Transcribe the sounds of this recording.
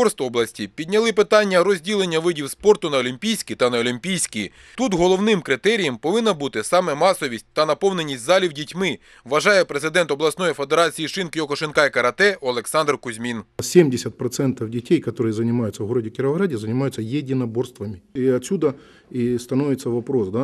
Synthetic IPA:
ɔrst̪ɔblˠɐsʲtʲipʲid̪ʲnʲɐlˠɪpɪt̪ɑnʲːɐɾɔzʲdʲilˠe̞nʲːɐʋɪdʲiwspɔrt̪ʊnɐɔlʲimʲpʲijsʲkʲit̪ɐnɐɔlʲimʲpʲijsʲkʲi | t̪ut̪ɦɔlˠɔwnɪmkɾɪt̪ɛɾʲijɐmpɔʋɪnːɐbut̪ɪsɑmɛmɑsɔʋʲisʲtʲt̪ɐnɐpɔwne̞nʲːisʲtʲzɑlʲiwdʲitʲmɪ | ʋɐʒɑjɛpɾezɪd̪ɛnt̪ɔblˠɐsnɔjifed̪eɾɑt͡sʲijiʃɪnkɪjɔkɔʃenkɑikɐɾɐt̪ɛɐlˠeksɑnd̪rkʊzʲmʲinsʲemʲdʲɪsʲɐt̪̚pɾɐt̪sɛnt̪ɐwdʲɪtʲejkɐt̪oɾɨjɛzɐnʲɪmajʊt̪sɐɦoɾɐdʲɪkʲɪɾʋɐɣɾadʲɪzɐnʲɪmajʊt̪sːɐjedʲɪnɐborst̪ʋɐmʲɪiɐtʲsʲud̪ɐ | ist̪ɐnoʋʲɪt̪sɐʋɐpɾo̞sd̪a

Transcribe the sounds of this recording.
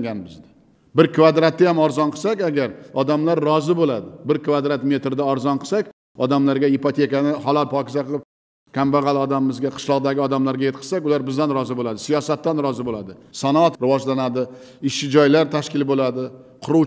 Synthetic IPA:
ɡʲanbɪzd̪ḁ | bɪɾkʰvad̪ɾat̪ːajamɒɾzɒnqʰɨ̥sakʲaɡʲaɾɒd̪amlaɾːɒzɪbolad̪ɪbɪɾkʰvad̪ɾat̪me̞t̪ɾɪd̪aɒɾzɒnqʰɨ̥sakʲ | ɒd̪amlaɾɡʲaɪpot̪ʰe̞kanɪhɒlˠalpʰɒkʲɪzaqɨp | kʲʰambaʁɑlˠɒd̪amɪmːɪzɡʲaqʰɨ̥ʃlˠɒʁd̪aɡʲɪɒd̪amlaɾɡʲajet̪̚qʰɨ̥akʲʊlaɾbɪzd̪anɾɒzɪbolad̪ɪsijɒsat̪ːanɾɒzɪbolad̪ɪsanɒat̪ɾɪvɒd͡ʒlanad̪ɪ | ɪʃɪd͡ʒɒjlaɾt̪ʰaʃkʲɪlɪbolad̪ɪ | qʰʊɾu

